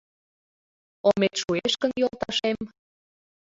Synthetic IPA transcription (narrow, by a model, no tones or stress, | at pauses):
omet̪ʃueʃkənjolˠt̪ɑʃem